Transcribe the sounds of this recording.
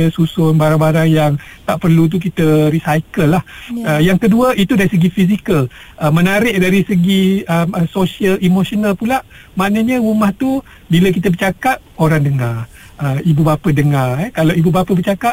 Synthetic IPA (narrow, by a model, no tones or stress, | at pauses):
əsusʊnbaɾaŋbaɾaŋjaŋ | t̪aʔpərlut̪̬uk̬it̪əɾisajkəlːahəjaŋkəduəʔit̪udaɾisəɡifizikəl | ʔəmənaɾɪʔ̚daɾisəɡiəməsosialʔimosonalpulaʔ | manəɲəumaht̪u | biləkit̪̬əbərt͡ʃakat̪̚oɾaŋdəŋar | əibubapədəŋarɛkalawibubapəbərt͡ʃakaʔ